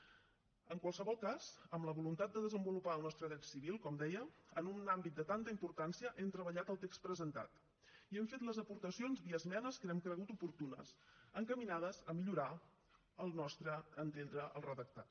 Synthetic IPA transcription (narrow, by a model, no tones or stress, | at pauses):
əŋkwalˠsəβɔlˠkaz̥əmləβulunt̪at̪̚d̪əðəzəmbulupaəlˠnɔst̪ɾəɣɾɛt̪siβ̞ilˠkɔmd̪ɛjəənunambit̪̚d̪ət̪ant̪əimpuɾt̪ansiəʔɛmt̪ɾəβəʎat̪əlˠt̪ekst̪̚pɾəzənt̪a̰t̪ | iɛmfet̪ləzəpuɾt̪əsionzβiəzmɛnəskənɛmkɾəɣut̪upuɾt̪unə̰səŋkəminað̞əzəmiʎuɾa | əlˠnɔst̪ɾəənt̪end̪ɾəʔə̰lˠrəðək̚t̪at̪